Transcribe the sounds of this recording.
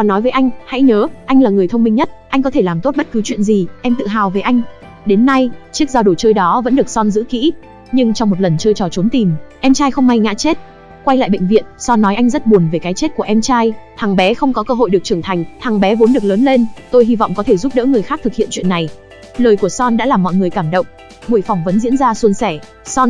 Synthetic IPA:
ɔ˨˩nːɔ˨˦jvəː˨˦ʔa˧ŋ̟ha̰˧˥jɲəː˨˦ʔa˧jŋlaː˨˩ŋɨ˨˩əjt̪ʰwŋ͡mmï˧ŋɲə˦˥t̚ʔa˧jŋk̬ɔ˨˦t̪ʰe˧˩laː˨˩mt̪o˦˥t̚ɓə˦˥t̚kɨ˨˦t͡ɕwḭ˧˨ənzi˨˩ʔɛ˧mt̪ɨ̰˧˨ɦaː˨˩wve˨˩ʔa˧jŋ̟ | ɗe˨˦nːa˧jt͡ɕi˦˥k̚zaː˧ɗo˨˩t͡ɕəː˧jɗɔ˨˦və̰˧˥nɗɨ˨˩ək̚sɔ˧nzɨ̰˧˥kḭ˧˥ | ɲɨ˧ŋt͡ɕɔ˧wŋ͡mmo˨˩lə˨˩nt͡ɕəː˧jt͡ɕɔ˨˩t͡ɕo˨˦nt̪i˨˩mʔɛ˧mt͡ɕaː˧jxə˧wŋ͡mma˧jŋa̰ː˧˥t͡ɕe˦˥t̚ | kwa˧jla̰ː˧˨jɓḛ˧˨ŋ̟vḭ˧˨ənsɔ˧nːɔ˨˦jʔa˧jŋ̟zə˦˥t̚ɓu˨˩ənve˨˩kaː˨˦jt͡ɕe˦˥t̚ku˧˩əʔɛ˧mt͡ɕaː˧jt̪ʰaː˨˩ŋɓɛ˨˦xə˧wŋ͡mkɔ˨˦kəː˧ɦo̰˧˨jɗɨ˨˩ək̚t͡ɕɨ˧˩ət̪ʰa˨˩jŋ̟t̪ʰaː˨˩ŋɓɛ˨˦vo˨˦nɗɨ˨˩ək̚ləː˨˦nle˧nt̪o˧jhi˧v̰wŋ͡mkɔ˨˦t̪ʰe˧˩zu˦˥p̚ɗə̰ː˧˥ŋɨ˨˩əjxaː˦˥k̚t̪ɨ˨k̚hḭ˧˨ənt͡ɕwḭ˧˨ənːa˨˩j | ləː˨˩jku˧˩əsɔ˧nɗa̰ː˧˥laː˨˩mːɔ̰˧˨ŋɨ˨˩əjkaː˧˩mɗə̰˧˨wŋ͡m | mu˧˩jfɔ˧˩wŋ͡mvə˨˦nzḭ˧˥ənzaː˧su˧nsɛ˧˩ | sɔ˧n

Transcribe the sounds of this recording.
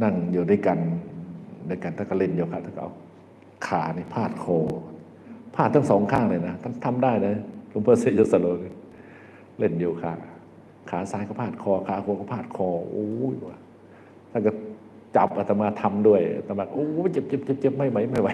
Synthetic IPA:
na˧˥˩ŋjuː˨˩daː˧˩˨jka˧n | daː˧˩˨jka˧˨nt̪ʰa˥˩ka˧˩le˧˥˩njuː˧kʰaː˧˩t̪ʰa˥˩ka˧ʔa̰˧˩ | kʰaː˨˩˦na˧˩pʰaː˥˩t̪̚kʰɔː˧ | pʰaː˥˩t̪ːʰa˥˩sɔː˨˦ŋkʰaː˥˩ŋla˧˩jna˦˧˩t̪ʰa˧˥˩nt̪ʰa˧mdaː˥˩jna˧˩lo˧˦mpʰɤː˧˩se˧˩joː˧˩sa˧lo˧ka˧˩ | le˥˩njuː˧˩kʰa̰ː˧˩ | kʰaː˨˦saː˨˦jka˧˩pʰaː˥˩t̪̚kʰɔː˧kʰaː˨˦kʰuː˧ka˧˩pʰaː˥˩t̪̚kʰɔː˧ʔoː˧˦i˧˩aː˧ | t̪ʰa˥˨nka˧˩ | t͡ɕa˨˦p̚ʔa˧˩t̪a˧˩maː˧˩t̪ʰa˧mdu˥˩əjʔa̰˧˩t̪a˧˩bɛː˨˩k̚ʔoː˧˦t͡ɕe˧˦p̚t͡ɕe˧˦p̚t͡ɕe˧˦p̚t͡ɕe˧˦p̚ma˥˩jwa˨˦jma˥˩jwa˧˦

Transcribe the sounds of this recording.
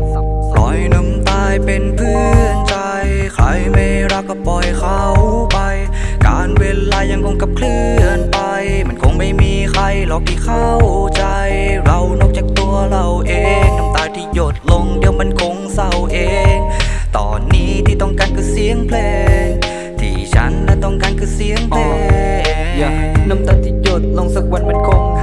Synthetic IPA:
sa˧˩ | lɔ̰˨˦jna˧˥mt̪aː˧˩jpe˧npʰɯː˧˩ənt͡ɕa˧j | kʰɾa̰˧˩jma˧˩jɾaː˧kɔː˧˩pɔ˨˩jkʰa˧˩wpa˧j | kaː˧˩nweː˧laː˧ja˧˦ŋkʰo˧˩ŋka˧˩p̚kʰlɯː˧˥ənpa˧jma˧˩nkʰo˧˩ŋma˧˩jmiː˧kʰɾa˧˩jlɔː˧˩k̚t̪ʰiː˧˩kʰa˧˩wt͡ɕa˧jɾa˧wnɔ˧˩k̚t͡ɕaː˨˩k̚t̪u˧əɐɾa˧wʔeː˨˧ŋna˧˩mt̪aː˧jt̪ʰiː˧˩jo˧˩t̪̚lo˧ŋdiː˧əwma˧˥˨nkʰo˧˥ŋsa˧˩wʔeː˧ŋt̪ɔ̰ː˧˩nːiː˧˥t̪ʰiː˧˩t̪ɔː˧˩ŋkaː˧˩nkʰɯ˧˥˩si˧˥əŋpʰleː˧˩ | t̪ʰḭː˧˩t͡ɕʰa̰˦˥nːa˧˩t̪ɔ˧˩ŋkaː˧nkʰɯː˧˥si˧˥əŋpleː˧˩ | na˧˥˩mt̪aː˧˩t̪ʰiː˧˩jo˧˩t̪̚lo˧˥ŋsɯ˧˩k̚wa˧˥˨nma˧˥˨nkʰo˧˩ŋ

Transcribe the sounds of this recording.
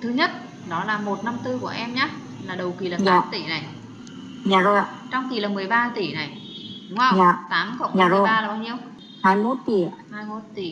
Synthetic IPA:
t̪ʰɨ˨˦ɲə˦˥t̚ | ɗɔ˨˦laː˨˩mo˨˩t̚na˧mt̪ɨ˧ku˧˩əʔɛ˧mɲaː˦˥ | laː˨˩ɗə˨˩wki˨˩laː˨˩saaː˨˦mt̪i˧˩na˨˩j | zaː˨˩zo˧˩˨ | t͡ɕɔ˧wŋ͡mki˨˩laː˨˩mɨ˨˩əjɓaː˧t̪i˧˩na˨˩j | ɗʊ˨˦ŋ͡mə˧˨ɲaː˨˩t̪aː˨˦mkə̰˧˨ŋ͡mmɲaː˨˧˩zo˨˧˩jɓaː˧laː˨˩ɓaː˧ɲi˧əw | haː˧jmo˦˥t̚t̪i˧˩haː˧jmo˦˥t̚t̪i˧˩

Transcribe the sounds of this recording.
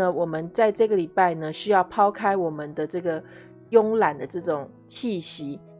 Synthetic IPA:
ə˨wɔ˨˩mə˦nt͡sa˥˧ɪʈ͡ʂɤ˥˩ɡə˩li˨˩pa˥˩ɪnə˨ɕy˥jɑ˥˩ʊpʰɑ˥ʊkʰa˥ɪwɔ˨˩mə˦nd̪ə˦ʈ͡ʂɤ˥˩ɡə˩ | jʊ˥ŋla˨˩nd̪ə˦ʈ͡ʂɤ˥˩ʈ͡ʂʊ˨˩ŋ | t͡ɕʰi˥˩ɕi˧˥˦

